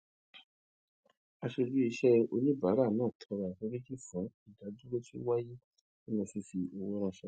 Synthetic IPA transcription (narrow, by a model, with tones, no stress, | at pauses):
a˧ʃe˧d͡ʒu˦i˧ʃɛ˦o˧nĩ˦ba˨˦ɾa˦˨nãː˦˨tʰɔ̃˧ɾa˨to˧˦ɾĩ˦ki˦˨fũ˨˦i˦˨da˨˦du˦ɾe˦ti˦wa˦ji˦ | i˦nã˧si˧si˧o˧wo˦ɾ̃ã˧ʃɛ˧˨